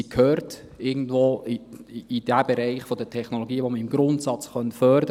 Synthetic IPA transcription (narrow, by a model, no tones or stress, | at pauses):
ikʰhøːɾt | ɪɡən̩dvoːiid̥æb̥ɛɾɛɪχfodətʰɛχnoloɡiːʋoməɪmɡɾʊntsɑt͡sχœntfœɾdə